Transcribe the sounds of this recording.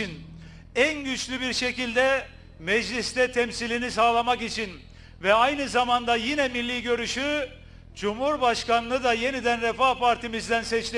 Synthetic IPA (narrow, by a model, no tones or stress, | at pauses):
in | ænɟyt͡ʃlʲybiɾʃe̞cilʲd̪ɛ | mɛd͡ʒlʲist̪ɛt̪ʰɛmsilʲinis̬aːlˠamakit͡ʃʰin | vɛajnɯzamand̪ajinɛmilʲːiːɟø̞ɾyʃy | d͡ʒumhuɾbaʃkanːˠɯd̪aje̞nid̪ænɾɛfapaɾt̪ʰimizd̪ænsɛt͡ʃlʲe